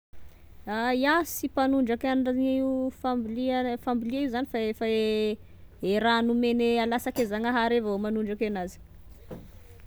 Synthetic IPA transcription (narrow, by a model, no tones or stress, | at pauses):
ajasipanuɳɖ͡ʐakanɖ͡ʐanifambilifambiliaiuzanifaefae | eɾanumenealasakezaŋaɦaɾevaomanuɳɖ͡ʐakenazi̥